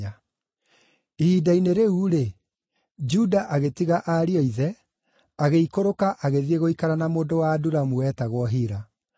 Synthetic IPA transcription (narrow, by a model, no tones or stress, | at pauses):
a | ihiːdaineɾeuɾe | d͡ʒudaʔaɣetiɣaʔaɾiɔiðɛ | aɣeikoɾokaʔaɣeðieɣoikaɾanamoːndowaːduɾamuɛtaɣwɔɦiɾa